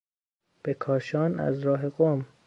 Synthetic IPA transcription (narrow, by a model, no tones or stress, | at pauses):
b̥ekʰɒːʃɒːnæ̰zɾɒːɦeɣom